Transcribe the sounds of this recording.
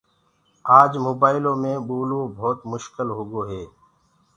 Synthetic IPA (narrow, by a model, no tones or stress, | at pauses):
aːd͡ʒmoːbaːɪlõːmẽɓuːloːbʱoːt̪mʊʃkɪlɦʊɡoːɦeː